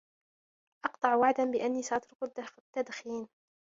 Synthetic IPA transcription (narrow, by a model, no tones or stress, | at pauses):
ʔɑqt̪ˤɑʕwaʕd̪anbɪʔanːiːsaʔɑt̪ɾʊqʊd̪at̪ːad̪xiːn